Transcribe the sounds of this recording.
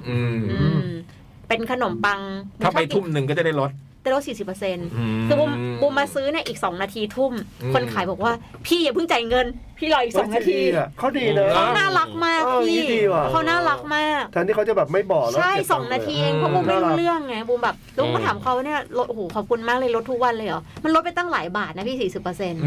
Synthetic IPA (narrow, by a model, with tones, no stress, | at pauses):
ʔɯː˧ | pe˧nkʰa˧no˨˩˦mpa˧ŋːʰ˧aː˥˩pa˧jt̪ʰu˥˩mnɯ˨˧ŋk̬ɔ˥˩t͡ɕa˨˩da˥˩jlo˦˥t̪̚ | daː˥˩jlo˦˥t̪̚si˨˩si˨˩pːse˧nkʰɯː˧˩bu˧mbu˧mːaː˧sɯː˦˥ni˥˩ɐʔiː˨˩k̚sɔː˩˦ŋnaː˧t̪ʰiː˧t̪ʰu˥˩mkʰo˧nkʰaː˩˦jbɔː˨˩k̚waː˥˩pʰiː˥˩ɲa˨˩pʰɯ˥˩ŋt͡ɕa˨˩jŋɤ˧npʰiː˥˩lɔ˨˩ʔiː˨˩sɔː˨˦ŋaː˧˦t̪ʰiː˧˩kʰɔː˥˩diː˧na˦kʰa˦˥wnaː˥˩la˦˥k̚maː˥˩k̚ːʰiː˥˩diː˧a˨˩kʰa˦˥wnaː˥˩la˦˥k̚maː˥˩k̚tʰɛ˦˥nt̪iː˥˩kʰt͡ɕa˨˩bɛː˨˩p̚ma˥˩jbɔː˨˩klt͡ɕːʰa˥˩jsɔː˨˩˦ŋnaː˧t̪ʰiː˧ʔeː˧ŋkʰɔ˦˥buː˧mː˥˩˥lɯ˥˩əŋːa˧˦˥buː˧mbɛː˨˩p̚lːkːɔ˧t̪ʰaː˨˩˦mkʰa˧˦wa˧˩ni˥˩ɐlo˦t̪̚ʔo˧˨˩oː˩˦kʰɔː˨˩p̚kʰu˧nmaː˥˩k̚lɤː˧jlo˦˥t̪̚ʰːu˥k̚wa˧nlɤː˧jɔː˨˩˦ma˧nɾo˦˥t̪̚a˧jt̪a˥˩ŋlaː˨˩˦jbaː˨˩t̪̚na˦˥pʰiː˥˩siː˨˩si˨˩pːɤː˧se˧n